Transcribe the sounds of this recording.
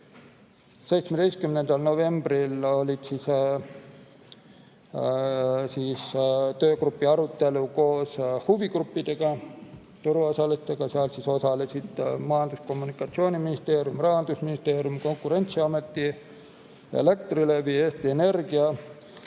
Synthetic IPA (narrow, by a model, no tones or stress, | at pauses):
se̞jt̪smed̪̥ejst̪̚kymnend̪̥ɑlno̞ve̞mbrilo̞lʲid̪̥siːs | siːst̪øːkrupːiɑɾut̪ːe̞luko̞ːshuvikrupːid̪̥eɡ̥ɑ | t̪uɾuosɑlest̪eɡ̥ɑseɑlsiso̞sɑlesid̪̥mɑjɑnd̪̥usko̞mːunikːˑɑt̪sio̞ːniminist̪e̞ːɾjumrɑɦɑnd̪̥usminist̪e̞ːɾjumko̞ŋkːˑuɾe̞nʲt̪siɑme̞t̪ːi | ḛlekt̪rilevieːst̪iene̞rɡ̥iɑ